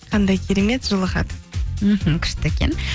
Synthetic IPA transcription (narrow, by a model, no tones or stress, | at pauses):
qʰɑnd̪ɑjkʲʰe̞ɾe̞me̞t̪ʒʊlˠəχɑ̰d̪əm̩ɦm̩kʲʰʏ̥ʃt̪ɪekʲʰḛn